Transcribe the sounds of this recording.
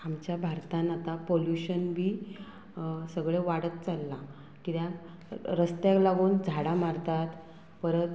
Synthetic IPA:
amt͡ɕjabʱaɾt̪anat̪apoljuɕənbʱiː | səɡɭeʋaɽət̪̚t͡salːa | kit̪ja | ɾəst̪jãklaɡuːnd͡zʱaɽamaɾt̪at̪ | pəɾət̪

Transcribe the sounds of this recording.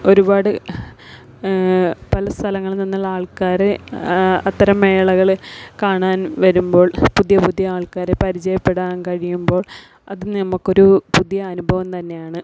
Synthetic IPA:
o̞ɾubaːɽɨ | pɐlɐst̪ʰɐlɐŋːɐɭninːɐɭaːɭkaːɾɨ | ɐt̪ːɐɾɐmːeːɭɐɣɐɭkaːɳaːnʋɐɾumbo̞ːɭpuðjɐpud̪jɐaːɭkaːɾepɐɾit͡ɕɐjɐpːe̞ɽaːnkɐɻijumbo̞ːɭ | ɐðɨnnɐmukːo̞ɾupuðjɐːnubʱɐʋɐmt̪ɐnːe̞jaːɳɨ

